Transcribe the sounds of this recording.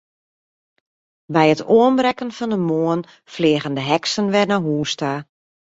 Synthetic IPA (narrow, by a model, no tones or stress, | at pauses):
bɛjətʰoənbrɛkənfɔndəmoən | flɪːəɣəndəɦɛksənʋɛrnaɦuːsta